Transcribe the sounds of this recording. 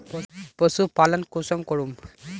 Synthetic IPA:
ppɔsupalɔnkusɔŋkɔɹum

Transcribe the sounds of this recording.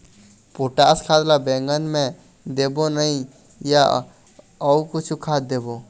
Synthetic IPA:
poʈaskʰaːd̪labɛ̃ŋɡənmẽ | d̪eːbonəĩ | ja | ɔukʊt͡ʃʰukʰaːt̪̚d̪eːbo

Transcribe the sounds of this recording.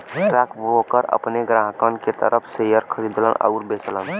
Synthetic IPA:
ɾakʰbokəɾə̰pneɡɾaɦkənket̪ə̰ɾəpʰsejəɾkʰəɾid̪lə̰nə̰ʊɾbeslən

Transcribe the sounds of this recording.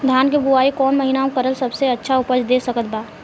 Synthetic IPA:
d̪ʱjaːnkebʊaːikɔːnmɐɦinaõkəɾəlsɐbseɐtːʃʰaʊpəd͡ʒd̪eːsɐkət̪̚baː

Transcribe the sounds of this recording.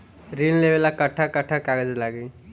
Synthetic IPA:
ɾinlebelakəʈʰːakəʈʰːakaɡed͡zlaɡe

